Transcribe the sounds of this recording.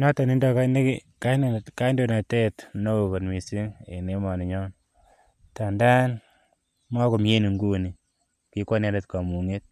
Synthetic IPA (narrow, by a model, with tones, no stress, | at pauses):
nɔ˦ta˨ni˦ndɔ˨ka˦ne˦ki | ka˦ka˦i˦ndo˨na˨te˦tno˦o˨ko˨nmi˨si˦ŋḛ˨ne˨˦mɔ˨ne˨ɲɔ˦n | ta˨nda˦n | ma˦ko˨mje˦ni˨ŋɡu˦˨ni˨ | ki˦ko˦n˦a˦ɾe˨tka˨mu˨ŋe˦t̚